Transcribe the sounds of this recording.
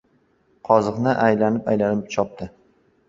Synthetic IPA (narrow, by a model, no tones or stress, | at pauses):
qʰɒzɨqnɪʔajlanɪpajlanɪpt͡ʃʰɒp̚t̪ʰɪ